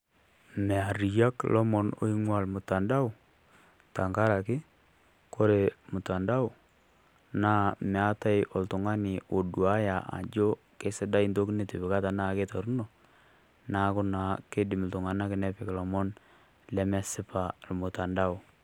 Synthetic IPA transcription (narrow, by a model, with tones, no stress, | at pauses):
mɛ˨a˨ɾi˨ja˦klʔɔ˦mɔ˨no̰˦i˦ŋwa˨lmʊ˨ta˨nda˦ʊ˨ | ta˨ŋɡa˦ɾa˨kɪ˦ | ko˦ɾe˨mʊ˨ta˨nda˦ʊ˨ | naː˦mɛ˨a˦ta˦jɔ˨ltʊ˨ŋa˦nɪ˨o˨dua˦ja˨ʔa̰˨d͡ʒo˦ | ke˦sɪ˦da˦i˦ndo˦kne˨ti˨bɪ˨ka˦ta˨na˦ke˦ta˨ɾu˦no˨ | na˨˦kʊ˦na˨ke˦dɪ˨mltʊ˨ŋa˨na˦kɪ˨nɛ˦pɪ˨klɔ˨mɔ˦n | lɛ˦ma˦sɪ˦pa˨lmʊ˨ta˨nda˦ʊ˨